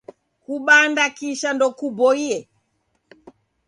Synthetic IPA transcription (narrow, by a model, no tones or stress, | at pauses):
kuɓandakiʃandɔkubɔiɛ